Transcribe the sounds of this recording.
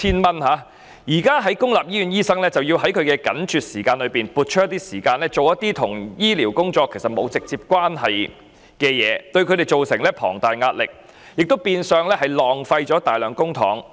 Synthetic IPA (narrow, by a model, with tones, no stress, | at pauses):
tʰiː˧nmɐ˧nɦaː˨˧ | jiː˨˩kaː˥ɦɐ˨˥jkʊ˥ŋlaː˨p̚jiː˥yː˨˧njiː˥sɐ˥ŋlɛː˥t͡sɐ˨wji˧wɦɐ˨˥jkʰɵ˨˧ɥkɛː˧kɐ̰˨˥nt͡ʃyː˨t̚siː˨˩kaː˧nlɵ˨˧piː˨˩npuː˨t̚t͡ʃʰt̪ːiː˥siː˨˩kaː˧nlɛː˥t͡so˨wjɐ˥t̪ːiː˥t̪ʰʊ˨˩ŋjiː˥liː˨˩wkʊ˥ŋt͡ʃɔː˧kʰːe˨˩jsɐ˨t̚mo˨˧wt͡sɪ˨k̚t͡siː˧p̚kʷwaː˥nɦɐ˨j | kɛː˧jɛ̰ː˨˧t̪ɵ˧ɥkʰɵ˨˧ɾe˨jt͡ʃo˨wsɪ˨˩ŋlɛː˥pʰɔ̰ː˨˩ŋt̪aː˨jŋaː˧t̚lɪ˨k̚ | jɪ˨k̚t̪o˥wpiː˧nsœː˨ŋlɛː˥hɐ˨jlɔː˨˩ŋfɐ˧jt͡sɔː˨˥t̪aː˨jlœː˨˧ŋkʊ˥ŋt̪ʰɔ̰ː˨˥ŋ